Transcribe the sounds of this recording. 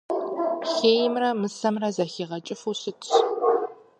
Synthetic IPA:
xeːjɪmrɐmɨsɐmrɐzɐxiːʁɐt͡ʃʼɪfusɨtʰ

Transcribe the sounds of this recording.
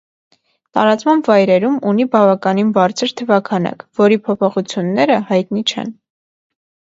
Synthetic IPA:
t̪ɑɾɑt͡smɑmbvɑjɾɛɾumunibɑvɑkɑninbɑɾt͡sʰəɾt̪ʰəvɑkʰɑnɑ̰kvɔɾipʰɔpʰɔχut͡sʰjunːɛɾəhɑjt̪nit͡ʃʰɛ̰n

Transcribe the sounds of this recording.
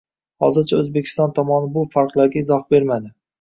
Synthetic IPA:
hɒ̰zɪɾt͡ʃʰaɵzbekʲʰɪ̥st̪ɒnt̪ʰɒmɒnɪbʊfaɾqlˠaɾɡʲaɪzɒhbe̞ɾmad̪ɪ

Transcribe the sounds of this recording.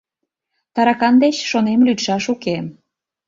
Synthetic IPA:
t̪ɑɾɑkɑnd̪et͡ɕʃonemlyt̪ʃɑʃukem

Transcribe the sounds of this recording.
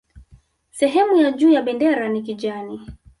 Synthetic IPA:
sɛɦɛmujad͡ʒuːjaɓɛndɛɾanik̬iʄani

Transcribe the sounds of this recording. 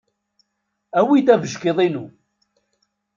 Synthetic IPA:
æwid̪ævəʒkeðˤinu

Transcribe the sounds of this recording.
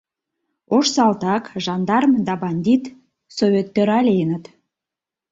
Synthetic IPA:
oʃsɑlt̪ɑkʒɑnd̪ɑrmd̪ɑbɑnʲd̪ʲit̪ | sovʲet̪ːøɾɑlʲejnət̪

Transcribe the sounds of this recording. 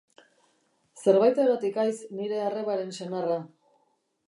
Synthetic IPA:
se̞ɾβajt̪eɣot̪ikajsniɾe̞areβaɾe̞nsenara

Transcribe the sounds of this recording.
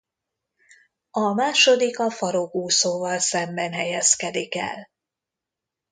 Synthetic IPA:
ɒmaːʃod̪ikɒfɒɾokuːsoːvɒlsɛmbɛnɦɛjɛskɛd̪ikɛ̰l

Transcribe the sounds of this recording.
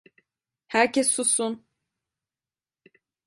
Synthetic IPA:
hæɾcʰesːusun

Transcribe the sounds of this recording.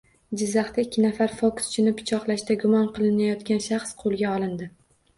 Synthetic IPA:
d͡ʒɪzːɑχt̪aɪkʲʰːɪnafaɾfokst͡ʃʰɪnɪpʰːɪt͡ʃʰɒqlˠaʃt̪aɡʊmɒnqɨlˠɪnajɒt̪kʲanʃaχsqʰolˠɡʲaɒlˠɪnd̪ɪ

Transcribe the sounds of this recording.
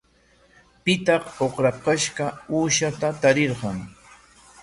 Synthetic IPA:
pɪt̪ɑqoχɾaqɑʃɢɑuːʃat̪at̪aɾeɾɢɑŋ

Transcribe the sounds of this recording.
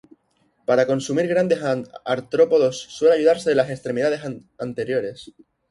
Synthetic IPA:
paɾako̞nsumiɾɣɾand̪e̞saɾt̪ɾo̞po̞ðo̞sːwe̞laʝuð̞aɾse̞ðlase̞kst̪ɾe̞miðað̞e̞sant̪e̞ɾjo̞ɾe̞s

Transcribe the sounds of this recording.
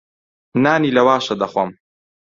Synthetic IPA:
naːniːlɐwaːʃɐd̪ɐχwɐm

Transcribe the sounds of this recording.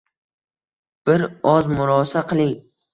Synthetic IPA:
b̥ɪɾɒzmʊɾɒsaqʰɨlˠɪŋ

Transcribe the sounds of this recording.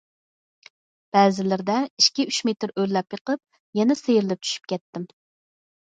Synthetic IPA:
b̥ɛːzɪlɪɾd̪ɛiʃkʲiyʃmet̪ɪɾølːɛpjəqəp̚ | jɛnɛsejɾɪlɪp̚t͡ʃʰy̥ʃy̥p̚kʲʰɛt̪ːɪm

